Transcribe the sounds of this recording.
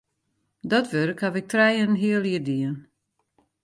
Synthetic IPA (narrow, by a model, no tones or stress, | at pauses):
dɔtʋørkhaʋɪk̚trɛjənɦiəlˠiədiən